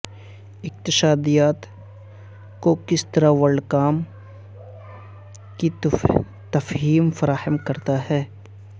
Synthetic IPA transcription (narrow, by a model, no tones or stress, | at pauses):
ɪq̚t̪ɪʃaːd̪ijaːt̪ | kokɪst̪ɐɾaʋɐɭɖkaːm | ki | t̪ɐfɦiːmfɐɾaːhəmkɐɾt̪aɦɛː